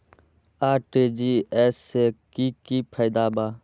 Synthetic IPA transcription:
aːʈeːd͡ʒiːeːseːkiːkiːpʰajd̪aːɓaː

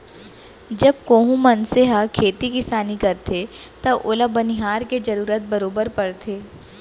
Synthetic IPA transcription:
d͡ʒɐb̚koːɦũmɐnsɪɦakʰeːt̪ikɪsaːnikɐɾt̪ʰet̪ɐʔʊləbɐnɪɦaːɾked͡ʒɐɾuːɾət̪̚bɐɾoːbəɾpɐɽt̪ʰeː

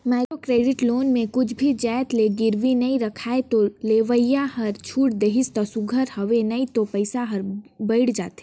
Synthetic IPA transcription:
maːkokɾeːɖɪʈloːnmẽkʊt͡ʃʰbʱid͡ʒaːjt̪leɡɪɾʋinɐĩɾɐkʰaːet̪oleːʋəjahɐɾt͡ʃʰuːʈd̪eɦɪst̪əsʊɡʱəɾhɐʋenɐit̪opɐɪsaɦɐɾbɐɪɽd͡ʒaːt̪e

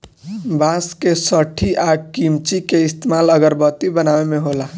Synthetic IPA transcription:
baskesəʈʰiʔakimt͡ʃikeist̪emaləɡəɾbət̪ibənaʋemeɦola

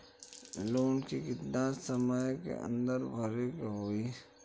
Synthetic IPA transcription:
loːnkikɪt̪nasəmajkḛʔə̰̃nd̪əɾbʱɐɾekaɦoːi

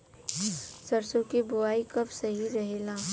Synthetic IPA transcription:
sɐɾsõkebʊaːikɐbsɐɦiɾɐɦeːlãː

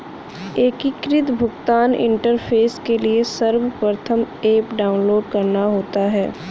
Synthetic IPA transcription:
eːkikɾɪt̪bʱʊɡt̪aːnɪ̰̃ɳʈəɾpʰeːskeliesɐɾwəpɾət̪ʰəmeːpɖaːʊnloːɖkɐɾnaɦoːt̪aɦɛː

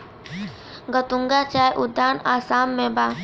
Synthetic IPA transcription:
ɡət̪ũŋɡat͡ʃaːjʔʊd̪ːaːnaːsaːmːẽbaː

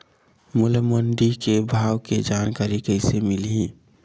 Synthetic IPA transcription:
mʊləmənɖikebʱaːwked͡ʒaːnkaːɾikəɪsemɪlɦĩ

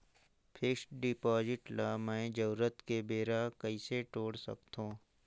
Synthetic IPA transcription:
pʰɪːsʈɖɪpɔːzɪʈlamɛ̃ːd͡ʒəuɾət̪kebeːɾakəiseʈoːɽsə̰kt̪õː

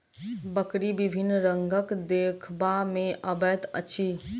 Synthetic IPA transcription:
bəkɾibibʱinːɾəŋɡəkd̪ekʰbamẽʔəbət̪ə̰t͡ʃʰi

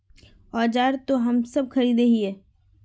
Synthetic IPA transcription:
ɔːd͡ʒaːɾt̪oɦɐmsɐb̚xɐɾiːd̪eɦiɛː

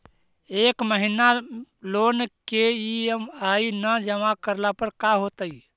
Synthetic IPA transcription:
ekməɦinalonkeiəmainəd͡ʒəmakəɾlapəɾkaɦot̪əi

